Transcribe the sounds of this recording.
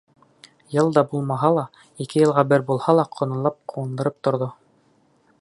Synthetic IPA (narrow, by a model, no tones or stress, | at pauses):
jɤlˠd̪ɑbulˠmɑɦɑlˠɑ | ikɘjɤ̆lˠʁɑbɘɾbulˠhɑlˠɑqʰŏnɤ̆lˠɑp̚quwɤ̆nd̪ɤ̆ɾɤp̚t̪ŏɾðo